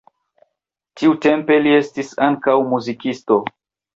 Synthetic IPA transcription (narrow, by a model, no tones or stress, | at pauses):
tiute̞mpe̞lie̞stisaŋkawmuzikisto̞